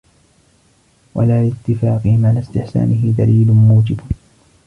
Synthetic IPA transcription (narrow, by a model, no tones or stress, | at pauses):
wa̰laːlɪt̪ːɪfaːqɨhɪmʕalast̪ɪħsa̰ːnɪɦɪd̪aliːlʊmuːd͡ʒɪb